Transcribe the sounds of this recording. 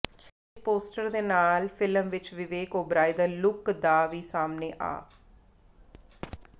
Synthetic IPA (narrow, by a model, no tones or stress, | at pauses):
ɪspoːsʈəɾd̪eːnaːlfʰɪləmʋɪt͡ʃʋɪʋeːkoːbɾaːɪd̪əɾlʊkd̪aːʋiːsaːmneːʔa̰ː